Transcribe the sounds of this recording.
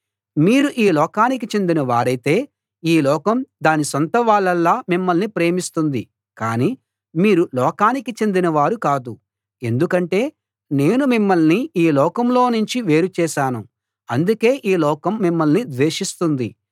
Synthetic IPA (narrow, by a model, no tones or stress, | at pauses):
miːɾuʔiːlɔːkaːnik̬it͡ʃe̞nd̪inɐʋaːɾɐjt̪e̞ː | iːlɔːkɐmd̪aːnisont̪ɐʋaːɭːɐlːaːmimːɐlnipɾe̞ːmist̪und̪i | kaːniː | miːɾulɔːkaːnikit͡ʃe̞nd̪inɐʋaːɾukaːd̪u | e̞nd̪ukɐɳʈe̞ː | ne̞ːnumimːɐlniiːlɔːkɐmlo̞ːnuɲt͡ʃiʋe̞ːɾut͡ʃɛːʃaːnu | ɐnd̪uke̞ːʔiːlɔːkɐmːimːɐlnid̪ʋeːʂist̪und̪ḭ